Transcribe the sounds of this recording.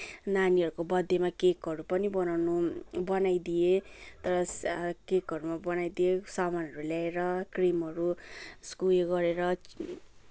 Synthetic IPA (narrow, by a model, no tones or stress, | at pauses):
naniɦʌɾukobʌd̪ʱːemakekɦʌɾupʌnibʌnawnubʌnajd̪ijet̪ʌɾʌkekɦʌɾumabʌnajd̪iesʌmanʌɾulaeɾʌkrimɦʌɾuskulɡʌɾeɾʌ